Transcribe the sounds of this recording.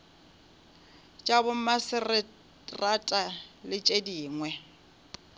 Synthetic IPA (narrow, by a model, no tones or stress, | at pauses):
t͡ʃʼabʊmasɪrɪ | ratʼalɪt͡ʃʼediːŋwɛ